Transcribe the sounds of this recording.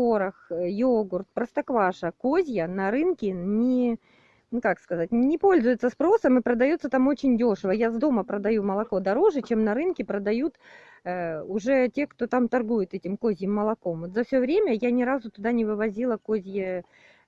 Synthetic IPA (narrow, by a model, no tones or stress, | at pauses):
koɾəxjoɡʊrt̪̚pɾəst̪ɐkvaʂəkozʲjənɐɾɨnkʲɪnʲɪ | nukakskɐzat̚ʲnʲɪpo̞lʲzʊjɪt̪səspɾo̞səmɨpɾəd̪ɐjut̪sət̪amo̞t͡ɕɪnʲdʲo̞ʂɨvəjazd̪o̞məpɾəd̪ɐjuməlˠɐko̞d̪ɐɾo̞ʐɨt͡ɕe̞mnɐɾɨnkʲɪpɾəd̪ɐjut̪ː | ʊʐɛtʲe̞kt̪o̞t̪amt̪ɐrɡujɪt̪ɛtʲɪmkozʲjɪmːəlˠɐko̞mvot̪zɐfsʲɵvɾʲemʲəjanʲɪɾazʊt̪ʊd̪anʲɪvɨvɐzʲilˠəkozʲjɪ